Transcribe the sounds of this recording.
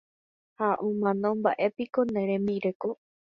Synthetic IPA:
haʔõmãnõmba̰ʔe̞pikonẽɾẽmbiɾeko

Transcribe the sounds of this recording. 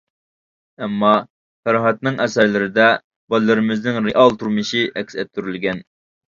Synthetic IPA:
ɛmːɑ | fæɾɦɑt̪̚nɨŋʔɛsæɾlɪɾɪd̪ɛ | bɑlːɨɾɪmɪznɪŋɾɪʔɑlˠt̪ʰuɾmɨʃiʔɛkʲsɛt̪̚ʰːyɾylɡʲɛn

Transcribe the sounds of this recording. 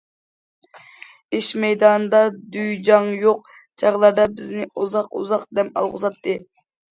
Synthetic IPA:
ɪʃmɛjd̪ɑnd̪ɑd̪yjd͡ʒɑŋjoq | t͡ʃʰɑʁlˠɑɾd̪ɑbɪznɪʔuzɑqṵzɑqd̪ɛpɑ̰lˠʁʊ̰zɑt̪ʰːɨ

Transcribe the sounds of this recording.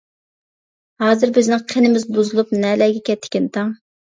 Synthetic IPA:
hɑːzɨɾbɪznɪŋqʰenɪmɪzbuzɨlˠupnɛlɛɡʲɛkʲɛt̪ʰːɪ̥kʲɛnt̪ʰɑŋ

